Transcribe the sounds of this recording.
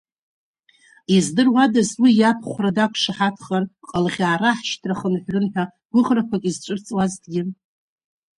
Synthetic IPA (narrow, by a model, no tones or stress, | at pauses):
izdɨrwadazwijapʰχʷradakʷʰʂaħatʰχarqʼəlʁʲaːɾaħʃtʰraχənħʷrɨnħa | ɡʷʊʁrakʷʰakʼizt͡ʃʷʼɨrt͡sʼwazdɡʲɪ